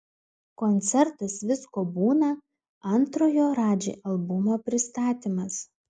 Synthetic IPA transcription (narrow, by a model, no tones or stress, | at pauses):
kɔnʲt̪sʲɛɾt̪ɐsʋʲɪskoːbuːnɐ | ɐnt̪ɾoːjoːɾɑːd͡ʒʲḛːʔɐlˠbʊmoːpʲɾʲɪst̪ɑːt̪ʲimɐs